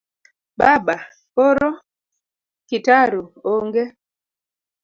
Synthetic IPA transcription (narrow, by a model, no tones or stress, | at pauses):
baba | poɾo | kitaɾuoŋɡe